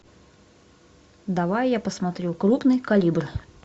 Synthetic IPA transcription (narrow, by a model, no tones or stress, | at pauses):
d̪aʋajjapɐsmat̪ɾʲuwkɾupnɨjkalʲibr